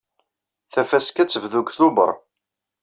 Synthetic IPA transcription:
θæfæskæt͡sːəvðuɡθʊbə̰ɾˤ

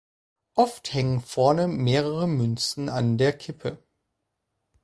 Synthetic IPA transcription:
ʔɔfthɛŋənfɔɐnəmeːʁ̞əʁəmʏnt͡sn̩andeːɐkʰɪpʰə

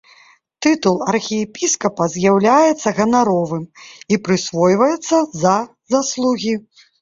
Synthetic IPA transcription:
t̪ɨt̪ulˠɐrxʲijɛpʲiskɐpɐzʲjawlʲajɛt̪sːɐɣɐnaɾɔvɨmipɾɨsvɔjvɐjɛt̪sːɐzɐ | zaslˠuɣʲi

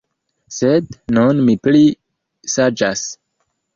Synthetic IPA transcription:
sednunmipli | sad͡ʒas

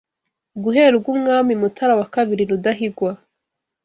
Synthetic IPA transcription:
ɡuɦeɾeɾuɡuːmŋaːmimutʰaɾawakaβiɾinudaɦiɡwa

